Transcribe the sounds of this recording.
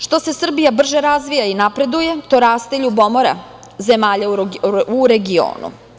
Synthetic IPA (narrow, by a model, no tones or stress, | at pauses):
ʃt̪o̞se̞sr̩bijabr̩ʒeɾazʋijainapɾe̞d̪uje̞t̪o̞ɾaːst̪eʎubo̞moɾa̰ | ze̞maːʎauɾe̞ɡio̰ːnṵ